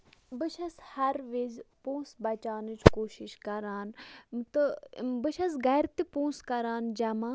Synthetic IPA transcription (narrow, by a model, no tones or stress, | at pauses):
bɨʃʰɐshɐɾʋizpõːsbɐt͡ʃaːnɨt͡ʃkoːʃiʃkɐɾaːnt̪ɨbɨʃʰɐsɡɐːɾt̪ipõːskɐɾaːnd͡ʒɐmaː